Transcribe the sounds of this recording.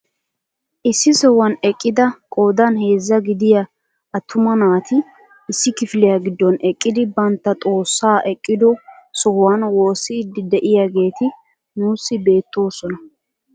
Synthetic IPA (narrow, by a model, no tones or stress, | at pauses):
ʔɪsːɪsɔwɐnɛkʼːɪd̪ɐkʼo̞ːd̪ɐnhe̞ːzːɐɡɪd̪ɪjɐ | ɐt̪ʰːʊmɐnaːt̪ɪ | ɪsːɪkɪflɪjaɡɪd̪ːɔnɛkʼːɪd̪ɪbɐnt̪ːɐt̪ʼo̞ːsːaːʔɛkʼːɪd̪ɔsɔhwanwo̞ːsːɪːd̪ːɪd̪ɛʔɪjaɡe̞ːt̪ɪ | nuːsːɪbe̞ːt̪ːo̞ːsɔnɐ